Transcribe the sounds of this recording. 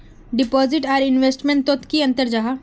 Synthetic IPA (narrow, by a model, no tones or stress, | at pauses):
ɖɪpɔːzɪʈaːɾɪnʋeːsʈmẽɳʈt̪ːot̪kiɐ̃nt̪əɾd͡ʒaɦa